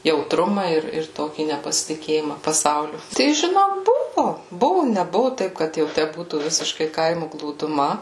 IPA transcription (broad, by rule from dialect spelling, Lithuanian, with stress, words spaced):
jɛʊtˈrʊmɐ ɪr ɪr ˈtoːkʲiː nʲɛpɐsʲɪtʲɪˈkʲeːjɪmɐ pɐˈsɐʊlʲʊ tɐɪ ʒʲɪˈnoːk ˈbʊʋʊ ˈbʊʋʊ nʲɛˈbʊʋʊ ˈtɐɪp kɐt jɛʊ ˈtʲæ ˈbuːtuː ˈʋʲɪsʲɪʃkɐɪ ˈkɐɪmʊ ɡlˠuːdʊˈmɐ